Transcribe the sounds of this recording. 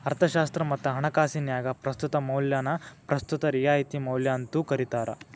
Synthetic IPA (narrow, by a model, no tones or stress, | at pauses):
ɐɾt̪ʰɐʃaːst̪ɾɐmɐt̪ːɐɦɐɳɐkaːsinjaːɡɐpɾɐst̪ut̪ɐmɐwljaːnɐpɾɐst̪ut̪ɐɾijaːit̪imɐwljaːnt̪ukɐɾit̪aːɾɐ̰